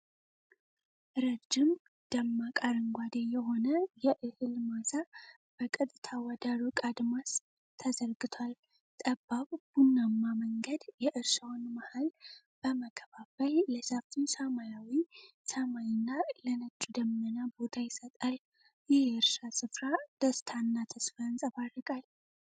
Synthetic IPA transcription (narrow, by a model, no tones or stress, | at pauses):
ɾəd͡ʒɪm | d̪̥əmːakʼaɾɨŋɡʷad̪ejɛho̞nəjɛʔɨhɨlmasa | b̥əkʼət̪ʼt̪ʰawad̪aɾukʼad̪mas | t̪ʰəzəɾɡɨt̪ʰwal | t̪ʼəbːaβb̥unːamːaməŋɡəd̪jɛʔɨɾʃawnmahal | b̥əməkʰːəβabəlləsəft̪ʰisamajawisəmajɪnːalənət͡ʃʼːud̪əmːənabo̞t̪ʰajɪsət̪ʼal | jɛhɨɾʃasɨfɾad̪̥əst̪ʰanːat̪ʰəsfaɨnsʼəβarːəkʼal